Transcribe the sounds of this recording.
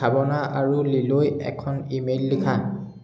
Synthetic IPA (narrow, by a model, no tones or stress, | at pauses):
abɔnaʔaɹulilojɛ̰kʰɔnimelːikʰa